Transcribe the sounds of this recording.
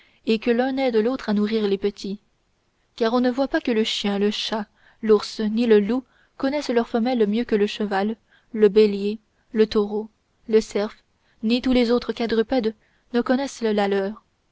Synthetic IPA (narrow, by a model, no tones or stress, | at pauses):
ekəlœ̃nɛd̪əlot̪χanuʁiːʁlepət̪ʰi | kaʁɔ̃nəvwapakələʃjɛ̃ləʃa | luʁsniləlu | kɔnɛslœʁfəmɛlmjøkələʃəvalː | əbelje | lət̪ɔʁo | ləsɛʁf | nit̪ulezot̪χəkad̪ʁypɛd̪ | nəkɔnɛsləlalœːʁ